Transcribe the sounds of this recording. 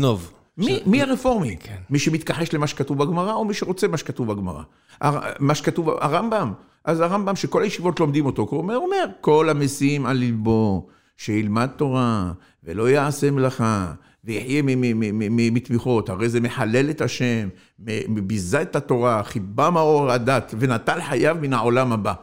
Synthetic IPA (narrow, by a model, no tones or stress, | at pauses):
nov | mimiaʁefo̞ʁmiemiʃemit̪̚kaħe̞ʃlemaʃekat̪uvbaɡmaʁao̞miʃeʁo̞t͡semaʃe̥kat̪uvbaɡma̰ʁa̰ | ʔa̰amaʃekat̪uva̰ʁambam | ʔazaʁambamʃeko̞lajeʃivo̞t̪lo̞md̪imo̞t̪o̞kumeome̞ʁko̞lamesimalːilbo̞ | ʃeilmad̪̚t̪o̞ʁa | vḛlo̞jaʕase̞mlaχa | vejiħjemimit̪miχo̞t̪haʁejzemeħale̞le̞t̪aʃe̞mː | eibizaet̪at̪o̞ʁaχibamaoʁad̪at̪ve̞nat̪alħajavminao̞lamaba